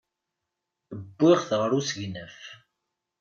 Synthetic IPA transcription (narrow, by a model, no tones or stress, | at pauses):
əbːɪʁθʁəɾusʝnəf